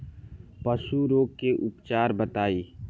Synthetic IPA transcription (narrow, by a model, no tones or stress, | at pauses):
pəsuɾoːɡ̚keʔʊpt͡ʃaːɾbət̪aːiː